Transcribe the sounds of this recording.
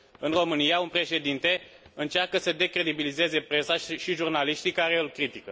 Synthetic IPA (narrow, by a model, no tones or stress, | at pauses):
ɨnro̞mɨnijaunpɾe̞ʃe̞d̪int̪e̞ | ɨnt͡ʃarkəsəd̪e̞kɾe̞d̪ibilize̞ze̞pɾe̞saʃiʒurnaliʃt̪ikaɾe̞ɨlkɾit̪ikə